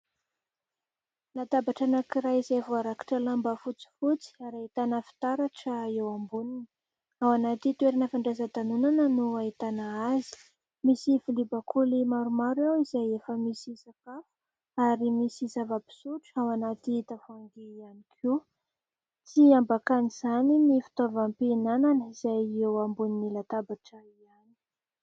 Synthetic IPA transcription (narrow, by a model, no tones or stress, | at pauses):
lat̪abaʈ͡ʂanakiɾajizajvoaɾaki̥ʈ͡ʂəlambəfut͡si̥fut͡si̥aɾait̪anəfi̥t̪aɾaʈ͡ʂəewambunini | awanat̪it̪weɾanəfaɳɖ͡ʐazət̪anunanənuait̪anaazi̥ | misifilibakʰulimaɾumaɾuawizajefəmisisakafu̥ | aɾimisizavapi̥suʈ͡ʂawanat̪iit̪afaŋɡeianikʰu | t͡siambakaniz̥aninifi̥t̪avampenananəiz̥ajewambuninilat̪abaʈ͡ʂəiani̥